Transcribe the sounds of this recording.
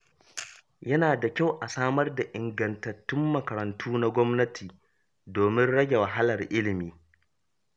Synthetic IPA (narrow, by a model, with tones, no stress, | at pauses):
jɐ˦naː˨da˨kʲa˦˨wʔa˨saː˦mɐ˦rda˨ʔɪ˨ŋɡɐ˨ntɐ˨tːʊ˦mːɐ˨kɐ˨ɾɐ˨ntʰuː˦na˦ɡʷɔ˦mnɐ˦tʰiː˨ | doː˨mɪ˦nɽɐ˦ɡʲe˨wɐ˨ɦa˦lɐ˨rʔɪ˦lɪ˨miː˦